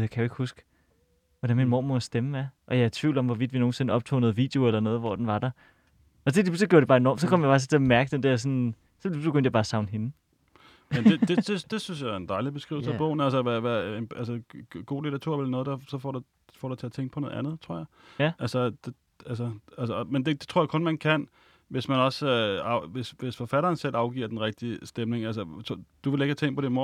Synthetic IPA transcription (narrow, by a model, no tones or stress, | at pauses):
jɑkʰæjʊe̝ɡ̥husɡ̥ | ʋɒɾ̥ænminmo̝̰ɐ̰mɒsd̥eməæʔɒ̽jɑ̈æɐt͡sʰʋḭʊld̥ɒ̽mʋɒʋid̥ʋino̝ːn̩se̝nəɒ̽b̥t͡sʰo̰ːnɔ̽ð̞̩ˠʋḭːd̥e̝o̝elɐnɔ̽ːð̞̩ˠʋɒ̰d̥enʋɑ̈d̥ɑ | ɒ̽d̥ed̥iusɒɡ̥jo̰d̥ebɑ̈ːenɒ̰ːmsɒ̽kʰɒ̽m̰jɑ̈fɑ̈st͡sʰe̝ɐmæɐɡ̥əd̥end̥ɛɐsɔ̽n | sɒ̽b̥e̝ɡøn̰d̥jæb̥ɑ̈ːsɑ̈ʊnɦe̝nə | men̥e̝d̥ed̥e̝d̥e̝synsjɑ̈æend̥ɑ̈ɪlib̥e̝sɡ̥ʁḭʊlsəæb̥ɔʊn̩æls̬əʋæʋæenælsəɡ̥o̝̰ːlidʰɐt͡sʰuɐ̰ʋelnɔːð̩ˠd̥ɑ̈sɒ̽fɒd̥u | fɒɾ̥ut͡sʰe̝æt͡sʰeŋɡ̥̚pʰɒ̽nɔːð̩ˠænð̞̩ˠt͡sʰʁo̰ɐ̰jɑɪʔælsəd̥e̝ | ælsəælsəmend̥e̝d̥e̝t͡sʰʁoɐjäkʰɔ̽nmænkʰæn̰ | ʋe̝smænɒ̽søɑʊʋe̝sʋe̝sfɒ̽fæɾɐːnsel̰ʔɑ̈ʊɡ̥ḭɐd̥enʁɛɡ̥̚d̥iəsd̥emne̝ŋælsət͡sʰd̥uʋe̝le̝ɡ̥hæt͡sʰeŋ̰d̥pʰɒɾ̥emo